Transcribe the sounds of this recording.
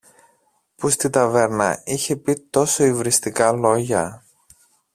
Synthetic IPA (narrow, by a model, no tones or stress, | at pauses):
pust̪it̪ɐve̞ɾnɐ̰içe̞pit̪o̞so̞ivɾist̪ikɐlo̞ʝɐ